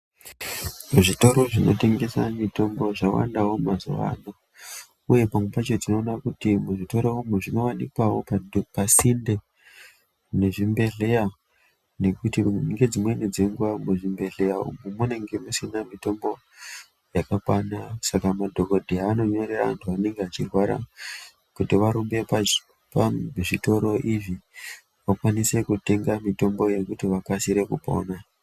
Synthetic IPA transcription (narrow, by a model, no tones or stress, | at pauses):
muʐito̞ɾo̞ʐino̞̰te̞ŋɡe̞sa̰mito̞mbo̞ʐawa̰ndawo̞mazuʋa̰no | uje̞pamwepat͡ʃod͡zino̞ːnakutimuʐito̞ɾoumuʐino̞wanikwawopapasinde̞ | ne̞ʐimbe̞ɮe̞ja | ne̞kutiŋɡe̞d͡zimwened͡zeŋɡuwamuʐimbe̞ɮe̞aṵmumune̞ŋɡe̞musinamito̞mbo̞ | jakakwanasakamadʱo̞ko̞dʱeaːno̞ɲo̞ɾe̞raantʰuane̞ŋɡeat͡ʃirwaɾa̰ | kutiʋaɾumbe̞pa | paʐito̞ɾo̞ʔiʐi | ʋakwanise̞kute̞ŋɡamito̞mbo̞je̞kutiʋakasiɾe̞kupo̞̰na